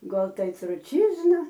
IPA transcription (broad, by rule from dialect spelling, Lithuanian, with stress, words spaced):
ˈɡɐlˠ ˈtɐɪ trʊˈt͡ʃʲiːznɐ